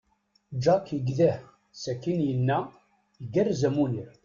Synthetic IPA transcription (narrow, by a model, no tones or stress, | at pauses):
d͡ʒɑkjəɡðæh | sækːinjənːæ | jəɡærzæmuniɾ